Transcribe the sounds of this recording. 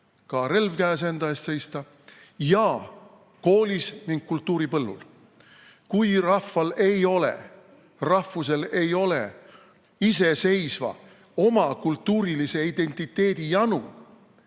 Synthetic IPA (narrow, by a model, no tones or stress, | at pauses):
kɑɾe̞lvkæːsend̪ɑest̪se̞jst̪ɑ | jɑ | ko̞ːlʲisniŋɡ̥̚kult̪ːˑuːɾipɤlːṵl | kujrɑfːɑle̞jo̞le̞̰ | rɑfːus̬e̞le̞jo̞le̞ | ise̞se̞jsvɑ̰ | o̞mɑkult̪ːuːɾilise̞id̪̥e̞nʲt̪ːˑit̪ːˑe̞ːd̪̥ijɑnṵ